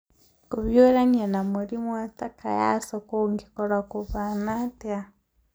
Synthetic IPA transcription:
kuβjoɾaɲanamuɾimwataka̰ja̰sokoŋɡikoɾakuβanatea

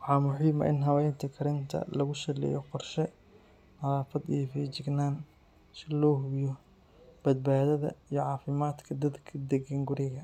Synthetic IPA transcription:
wɑħɑːmʊħiːmɐ̰ʔɪnɦɐwɛjnt̪ʰɐkʰɐɾɪnt̪ʰɐ̰lɐɣʊʃɐlɛ̰jɔqɔrʃɛ | nɐlaːfɐd̪ijfiːt͡ʃɪɡnaːn | sɪlɔːhʊjɔ | b̥ɐd̪̚baːðɐðɐ̰ijɞʕɑːfɪmaːd̪kʰɐd̪ɐd̪kʰɐd̪ɛɡɐŋɡʊɾɪɣɐ

